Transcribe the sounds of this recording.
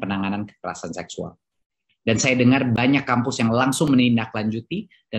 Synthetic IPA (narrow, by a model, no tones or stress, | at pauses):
pənaŋanankə̥kəɾa̰sansɛksua̰l | dansajadəŋarbaɲakːampʊsjaŋlaŋsʊŋmənindaklaɲd͡ʒut̪i | d̥a